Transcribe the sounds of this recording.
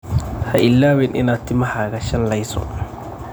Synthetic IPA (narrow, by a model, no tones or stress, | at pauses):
haʔɪlːaːwɪnʔɪ̰nat̪ːimahaːɡaʃɐnlajsɔ̰